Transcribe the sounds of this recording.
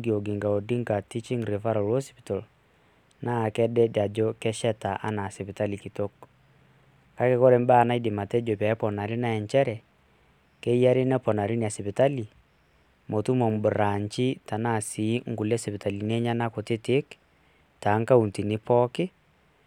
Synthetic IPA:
ɡjo˨ɡɪ˨ŋɡa˨o˨di˦ŋɡa˨ti˦t͡ʃi˦ŋɡɾe˨fa˦ɾɔ˨ɾo˦spi˨to˨l | na˦˨kɛ˦dɛ˦da˨d͡ʒo˦kɛ˦ʃɛ˦ta˨ʔa̰˦na˨sɪ˨pɪ˨ta˦li˨ki˨to˦k | ka˦ke˦kɔ˦ɾe˨˦m˦ba˦˨na˦i˦dɪ˨ma˨tɛ˦d͡ʒo˨pɛ˨˦pɔ˨na˨ɾi˦na˦ɛ˨ɲt͡ʃɛ˦ɾɛ˨ | kɛ˦ja˦ɾi˦nɛ˦pɔ˨na˨ɾi˦n˨a˨sɪ˨pɪ˨ta˦li˨ | mo˨tu˦mɔ˨m˨bʊ˨ɾa˨ɲt͡ʃi˦ta˨na˦˨si˨˦ŋ˦ɡu˨lɛ˦sɪ˨pɪ˨ta˨li˨n˦ɛ˦ɲa˦na˦ko˨tɪ˦tɪ˦k | ta˨˦ŋka˦u˨nti˨ni˦pʰɔ˦kɪ˦

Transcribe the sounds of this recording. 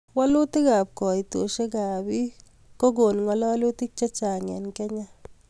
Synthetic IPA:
wa˦lu˦ti˦ka˨p̚kɔ˨jto̰˨ʃe˦ka˨bi˦ | ko˦ɡ̬o˨nŋɔ˦lɔ˦a˦lu˦ti˦k̚t͡ʃe˦t͡ʃa˨ŋɛ̰˨nkɛ˦ɲa˦

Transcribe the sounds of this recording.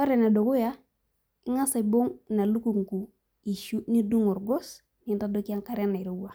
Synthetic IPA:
o˦ɾe˨na˨do˨ku˦ja˦ | i˦ŋa˦sa˨bo˦ŋna˨lu˦ku˨ŋ˨ku˨ | i˨ʃu˦ni˦du˦ŋo˨ɾɡo˦s | ni˦nta˦do˦ki˦a˦ŋka˨ɾe˦na˨i˨ɾo˦wa˨

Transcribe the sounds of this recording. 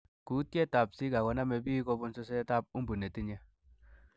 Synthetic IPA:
ku˦t̪̚ke˦ta˨psi˦ɡa˨ɡɔ˨˦na˦me˨bi˦ko˦˧bu˦nso˦se˦ta˦p̚u˦mbu˨ne˨ti˦ɲe˦

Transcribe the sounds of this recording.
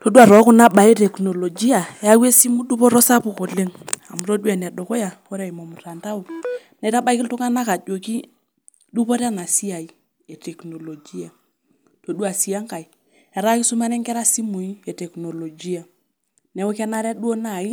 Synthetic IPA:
to˦du˦a˨ɾɔ˨˦ku˦na˦ɓa˨e˦tɛ˨kno˨lo˨d͡ʒi˦a˨e˦a˦we˦si˦mu˦ɗu˦po˦ɾɔ˦sa˦pu˨ko˨le˦ŋa˨mu˨ɾo˦du˦a˨n˨a˨do˨kɔ˦ja˨ko˦ɾa˨i˨mo˨mu˨ɾa˨nta˦u˨ | nɛ˨˦ta˦ba˦i˦ki˦ltu˦ŋa˦na˦ka˨d͡ʒo˨ki˦ | du˦po˦ɾa˦na˨si˦a˨i˦ | e˨tɛ˨kno˨lo˨d͡ʒi˦a˨ | to˨du˦a˨si˨˦a˦ŋka˨i˨ | a˨ɾa˦ki˦su˦ma˦nɛ˦ŋkɛ˦ɾa˦si˦mu˨i˦e˨tɛ˨kno˨lo˨d͡ʒi˦a˨ | nɛ˨˦wo˦ka˦na˦ɾa˦ɗu˦o˦na˦˨i˦

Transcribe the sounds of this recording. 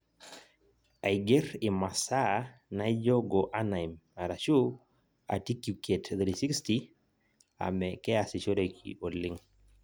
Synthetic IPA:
a˨iɡe˦ɾɪ˨ma˨sa˦na˦ɪ˦d͡ʒo˦ɡo˨ʔa˦na˨ima˨ɾa˨ʃu˦ | a̰˨ti˦ku˨ke˨tðɾisi˦ksti | a̰˨mɛkɛ˦a˨sɪ˨ʃo˦ɾe˨kʰḭ˨o˨lɪ˦ŋ

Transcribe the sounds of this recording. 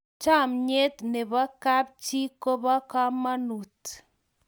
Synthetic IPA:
t͡ʃa˦˨mɲe˦t̪ne˨βa˦ka˦p̚t͡ʃi˦ko˦βa˦ka˦ma˦nu˨t

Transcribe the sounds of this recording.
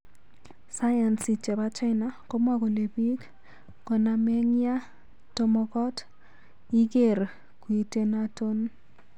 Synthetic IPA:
sa˦ja˨nsi˨t͡ʃe˨βa˦t͡ʃa˦na˦ko˦mwa˦ko˨le˨bi˦k | ko˨na˨me˦ŋja˦ | to˦mɔ˨kɔ˦t | i˦ke˦˨r | kwi˨te˦nato˦n

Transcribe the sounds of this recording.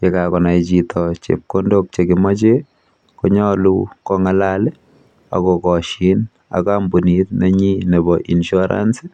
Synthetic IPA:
ke˨kakɔ˨na˨jt͡ʃitʰɔt͡ʃḛ˨p̚ko˦ndo˦k̚t͡ʃe˨kɪma˦t͡ʃe | kɔɲɔ˦lu˦kɔŋa˨lal | a̰˨kɔkɔ˨ʃi˨˦n | a̰˨kambu˨nit̚nɛ˦ɲi˦ne˨bɔ˨ʔi˨nʃɔɾa̰ns

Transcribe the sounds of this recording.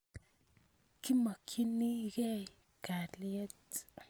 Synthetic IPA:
ki˦ma˨kʰi˦ni˦ɡe˦˨ | ka˨li˦e˦t

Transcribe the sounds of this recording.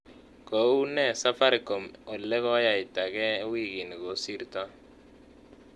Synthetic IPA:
ko˨˦u˦nɛ˦˨sa˦fa˦ɾɪ˨ko˨mo˨lːɛ˦kɔ˦ja˨ɪ˨ta˨kɛ˦wi˦˨ɡi˨ni˨ɡo˨˦si˦ɾta˦

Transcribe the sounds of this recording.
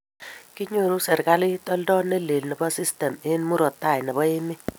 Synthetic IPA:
ki˦ɲo˦˨ɾu˦sɛ˨ɾka˦li˦tɔ˦ldɔ˦ne˦le˨lnɛ˨bɔ˦si˦stɛ˨me˦nmu˦ɾɔ˨tːa˦˨jnɛ˨bɔ˦ɪ˦mɪ˦

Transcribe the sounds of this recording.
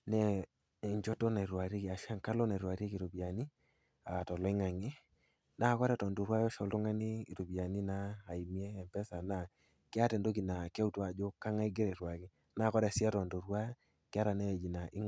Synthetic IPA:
nɛ˦ | e˨ɲd͡ʒɔ˦tɔ˦na˨i˨ɾwa˨ɾe˦ki˨a˨ʃa˦ŋka˦lɔ˦na˨ɾwa˨ɾi˦e˦ki˨ɾo˨bi˨a˨ni˦ | a˨tɔ˨lɔ˨˦ɪ˦ŋa˨ŋɪ˦ | na˦˨kɔ˦ɾɛ˨tɔ˨ndo˨ɾwa˦jɔ˦ʃɔ˨lto˦ŋa˦nɪ˦i˨to˨pi˨a˨ni˦naː˦˨i˨mi˦ɛ˦ɛ˨mpɛ˦sa˨na˨ | kɪ˦a˦tɛ˨ndo˦k̬i˨na˨kɪ˦a˦u˦twa˨d͡ʒo˦ka˦ŋa˦i˦ɡɪ˦ɾɛ˨ɾwa˨kɪ˦ | na˦˨kɔ˦ɾɛ˨si˦a˦tɔ˨ndo˨ɾwa˦ | kɪ˦a˦ɾa˨nɛ˦˨d͡ʒi˨na˨ʔɪ˦

